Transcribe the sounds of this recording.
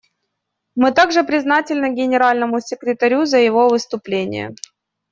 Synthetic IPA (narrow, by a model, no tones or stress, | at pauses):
mɨt̪aɡʐɨpɾʲɪznatʲɪlʲnəɡʲɪnʲɪɾalʲnəmʊsʲɪkɾʲɪt̪ɐɾʲuzəjɪvo̞vɨst̪ʊplʲenʲɪ̰jə̰